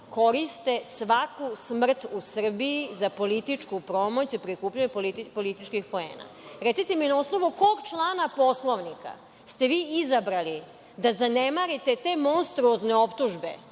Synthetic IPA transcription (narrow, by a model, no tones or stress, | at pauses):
ko̞ɾist̪e̞sʋakusmr̩t̪usr̩biizapo̞lit̪it͡ʃkupɾo̞mo̞t͡ɕipɾikuːpʎaɲepolipolit̪it͡ʃkixpo̞ḛːna̰ | ɾet̪sit̪eminao̞sno̞ʋuko̞ɡt͡ʃlˠaːnapo̞slˠoʋnika̰ | st̪e̞ʋiːizabɾali | d̪azanemaɾit̪et̪e̞mo̞nst̪ɾuozneo̞pt̪uʒbe̞̰